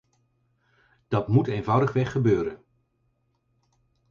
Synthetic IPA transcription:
d̥ɑtmuteːjnvʌwdəχʋɛχːəbøːɾən

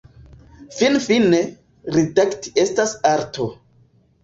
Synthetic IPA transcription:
finfine | ɾidakti̥e̞stasaɾtʰo

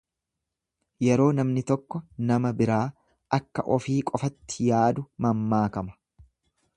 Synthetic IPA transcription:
jɛɾo̞ːnɐmnɪt̪ɔkːɔnɐmɐbɪɾaː | ɐkːɐ̰ʔɔfiːkʼɔfɐt̪ːɪjaːd̪ʊmɐmːaːkɐmɐ̥

